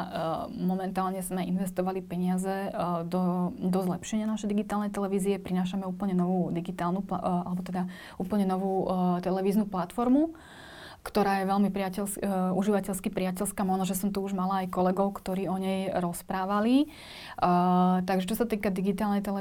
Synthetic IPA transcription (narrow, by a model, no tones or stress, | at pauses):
mɔmɛnt̪aːlɲɛzmɛinʋɛst̪ɔʋalipɛɲɪazɛd̪ɔd̪ɔzlɛpʃɛɲɪanaʃɛjd̪iɡit̪aːlnɛjt̪ɛlɛʋiːziɛpɾinaːʃ̬amɛuːpl̩ɲɛnɔʋuːd̪iɡit̪aːlnupaalɛbɔt̪ɛd̪a | ʔuːpl̩ɲɛnɔʋuːt̪ɛlɛʋiːznuplat̪fɔɾmu | kt̪ɔɾaːjɛʋɛlmipɾɪacɛlsuʒiʋacɛʎskipɾɪacɛʎskamɔnɔʒɛsɔmt̪uuʒmalaːjkɔlɛɡɔʊkt̪ɔɾiːɔɲɛjɾɔspɾaːʋali | t̪aɡʒɛt͡ʃɔsat̪iːkad̪iɡit̪aːlnɛjt̪ɛlɛ